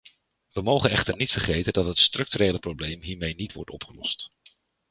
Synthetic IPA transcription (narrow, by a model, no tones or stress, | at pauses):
ʋəmowχənɛχtəɹnitfəɹχejtəndɑtɦətstrɵk̚tyɾejləprowblejmɦiːɹmejnitʋɔ̰ɹtɔ̰pχəlɔ̰st